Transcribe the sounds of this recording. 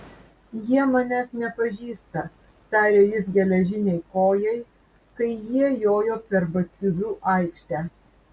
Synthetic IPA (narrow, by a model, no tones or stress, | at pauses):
jiɛmɐnʲæːsnʲɛpɐʒʲiːst̪ɐ | t̪ɑːɾʲeːjɪsɡʲɛlʲɛʒʲɪnʲɛɪkoːjɛɪ | kɐɪjiɛjoːjoːpʲɛɾbɐt̪sʲʊʋʲuːʔɐɪkʃʲt̪ʲæː